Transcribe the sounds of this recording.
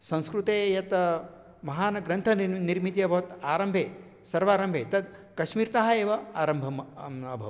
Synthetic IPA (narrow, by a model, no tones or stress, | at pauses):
sɐ̃w̃skɾut̪eːjɐt̪ | mɐɦaːnɐɡɾɐnt̪ʰɐniɾmit̪jɐbʱɐʋɐt̪aːɾɐmbʱeː | sɐɾʋaːɾɐmbʱeːt̪ɐd̪ | kɐʃmiːɾt̪aɦɐeːʋɐaːɾɐmbʱɐmɐbʱɐʋ